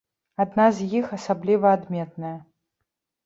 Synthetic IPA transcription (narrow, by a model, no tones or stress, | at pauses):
ad̪nazʲjixasablʲivɐːd̪mʲɛt̪̚nɐjɐ